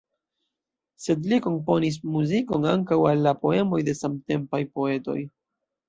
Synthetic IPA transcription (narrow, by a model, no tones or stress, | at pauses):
se̞dliko̞npo̞nis̬muziko̞naŋkawalːapo̞e̞mo̞jde̞samte̞mpajpo̞e̞to̞̰j